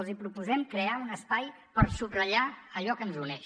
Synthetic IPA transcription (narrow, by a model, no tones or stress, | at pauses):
lˠzipɾupuzɛmkɾeaunəspaj | pəɾsubrəʎaəʎɔkənzunɛʃ